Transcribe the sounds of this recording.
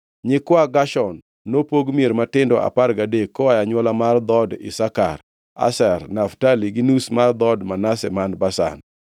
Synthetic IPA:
ɲɪkwaɡaʃɔnː | opoɡmjeɾmatɪndɔʔa̰parɡadekːɔwajaɲwɔlamard̪ɔdɪ̰sakar | a̰sɛrnaftaliɡɪnusmard̪ɔdmanasɛmanbasa̰n

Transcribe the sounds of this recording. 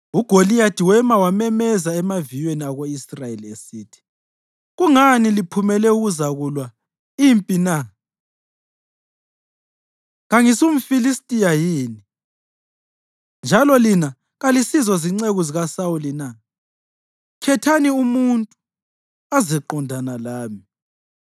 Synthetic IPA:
uɡ̥ʱolijatʰiwɛmawamɛmɛzaɛmavijweniaɣoisrajeliesiːtʰi̥ | ɣuŋanilipʰumɛlɛuɣuzaɣulwa | impʼina | ɣaŋisum̩filistʼijajiːni | nd͡ʒʱalɔlina | ɣalisizɔziŋ͡ǀeɣuziɣasawulina | kʰɛtʰaniumuntʼu̥ | azɛǃɔndʱanalaːmi

